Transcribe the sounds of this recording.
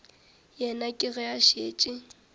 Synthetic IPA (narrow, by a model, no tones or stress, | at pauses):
jɛnakʼɪɣɛaʃeːt͡ʃʼɪ